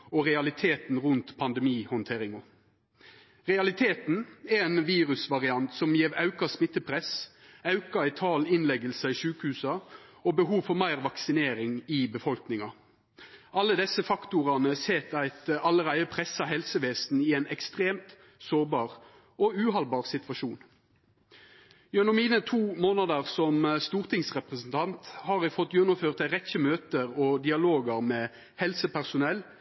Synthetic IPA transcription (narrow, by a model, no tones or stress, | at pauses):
ɔʁɛɑlɪt̪ʰeːt̪n̩ʁʉnt̪pʰɑnd̪ɛmiːhɔnt̪ʰeːɾɪŋɔ | ʁɛɑlɪt̪ʰeːt̪n̩ɛɛnʋiːʁʉsʋɑʁɪɑnt̪sɔmjeːʋɑʉkɑsmɪt̪ːəpʰʁɛsɑʉkɑɪt̪ʰɑːlɪnlɛɡəlsɑɪʃʉːkəhʉːsɑobəɦuːʋfɔʁmæɪʁʋɑksɪneːɾɪŋɪbəfɔlknɪŋɑ | ʔɑlːəd̪ɛsəfɑkt̪ʊʁɑnəseːt̪æɪt̪ɑlːəʁæɪəpʰʁɛsɑhɛlsəʋeːsn̩ɪæɪnɛkst̪ʁeːmt̪ | soːʁbɑːʁ | ɔʉːɦɑlbɑːʁsɪt̪ʋɑʃuːn | jʉnɔmiːnət̪ʰuːmoːnɑd̪əʁsɔmst̪uːʁt̪ʰɪŋsʁɛpʁəsn̩t̪ʰɑnt̪hɑːʁæfɔt̪ːjɛnːʊmføːʁt̪æʁɛçəmøːt̪əʁɔd̪ɪɑloːɡəʁmɛ | hɛlsəpʰæʁsʊnɛlː